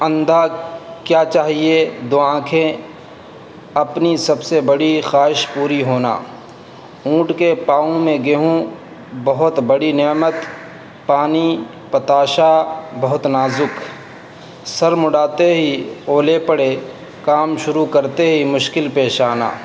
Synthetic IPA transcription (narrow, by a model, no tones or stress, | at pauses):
ə̃nd̪ʱakjaːt͡ʃaːɦied̪oːãːkʰẽ | ɐpnisɐbsebɐɽixaːɦɪʃpuːɾiɦoːna̰ː | ũːʈkepaːõmẽɡeɦũ | bɐɦʊt̪bɐɽinɛːmət̪ | paːni | pɐt̪aːʃabɐɦʊt̪naːzʊk | sɐɾmʊɽaːt̪eɦioːlepəɽe | kaːmʃʊɾukɐɾt̪eɦimʊʃkɪlpeːʃaːna̰ː